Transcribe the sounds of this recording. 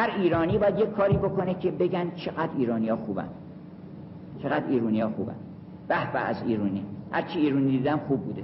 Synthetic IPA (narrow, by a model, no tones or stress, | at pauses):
hæɾiːɾɒːniːbɒːjæd̪je̞cʰkʰːɒːɾiːbo̞kʰo̞necʰebe̞ɟænt͡ʃʰe̞ɣæd̪ɾiːɾɒːnijɒːxuːbæ̰nd̪̥ | t͡ʃʰeɣæd̪iːɾuːniːjɒːxuːbæ̰n | b̥æhbææ̰ziːɾuːniːhæɾt͡ʃʰiiːɾuːnid̪id̪æmxuːbːuːd̪e